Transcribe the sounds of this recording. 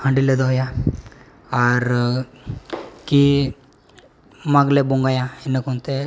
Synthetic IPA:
hə̃ɳɖiled̪awja | aɾ | ki | maɡlɛbuŋɡajãenəkɦont̪e

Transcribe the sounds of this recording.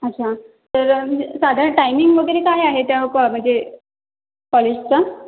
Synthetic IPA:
ətːɕʰa | t̪əɾsad̪ʱaɾɳʈajmiŋɡʋəɡʱjɾekaɦijaɦet̪aəpəm̤əɳd͡ze | pɔlist͡sa

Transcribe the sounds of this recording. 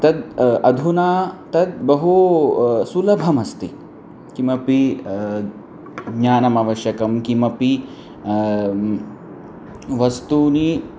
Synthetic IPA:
t̪ɐd̪ɐd̪ʱunaːt̪ɐd̪̚bɐɦu | sulɐbʱɐmɐst̪i | kimɐpi | ɡɲaːnɐmaːʋɐʃjɐkɐmkimɐpi | ʋɐst̪uni

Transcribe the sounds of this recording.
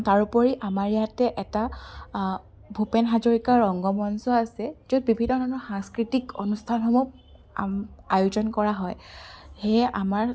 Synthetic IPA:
taɹupɔɹiʔamaɹijatɛʔɛta | bʱupenɦazɔɹikaɹɔŋɡɔmɔnsɔasɛzud̚bibʱinːɔdanɔxãŋskɹitikɔnustʰanxɔmup̚ | a̰majuzɔnkɔɹaɦɔjxeja̰maɹ

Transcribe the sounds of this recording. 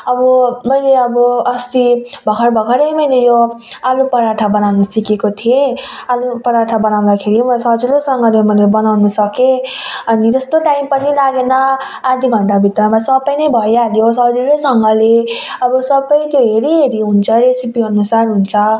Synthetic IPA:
ʌbʌmʌjleʌbʌʌst̪ibʱʌkʰʌɾbʱʌkʰʌɾʌjmʌjlejoalupʌɾaʈʰabʌnawnʌsikekot̪ʰiealupʌɾaʈʰabʌnaw̃nd̪akʰeɾimsʌd͡ziɾosʌŋɡʌlemʌjlebʌnawnʌsʌkẽ | ʌnit̪ʌst̪oʈaimpʌnilaɡenʌ | ad̪ʱiɡʱʌɳʈabʱit̪rʌmasʌbʌjnʌjbʱʌjaljosʌd͡ziɾosʌŋɡʌleʌbʌsʌbʌjt̪joɦeɾiɦeɾiɦunt͡sʰʌɾesipiɦʌnusarɦunt͡sʰʌ

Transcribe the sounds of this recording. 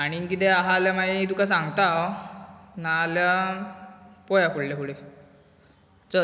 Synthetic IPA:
aɽ̃ikit̪ɛaɦaljamait̪ukas̬ãŋɡt̪aw | nalja | pɔjafuɽljakuɽe | t͡sə

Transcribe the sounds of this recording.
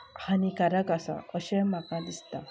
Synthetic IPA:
hanikaɾaɡasa̰əɕɛmakãd̪ist̪a

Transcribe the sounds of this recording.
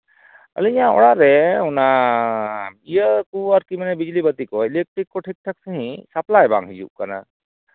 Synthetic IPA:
ə̰liijaɔ̰ɽaɾɛuna | ijəkuaɾkimanɛbid͡ʒlibət̪ikɔɛlek̚ʈɾikːɔʈʰik̚ʈʰək̚səɦĩsaplajba̰ŋɦid͡ʒṵʔkana̰

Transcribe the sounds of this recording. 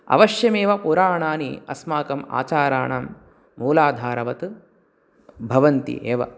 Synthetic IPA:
ɐ̰ʋɐʃjɐmeːʋɐpuɾaːɳaːniɐ̰smaːkɐma̰ːt͡ʃaːɾaːɳaːmː | uːlaːd̪ʱaːɾɐʋɐt̪ɨ | bʱɐʋɐnt̪ḭʔeːʋɐ̰

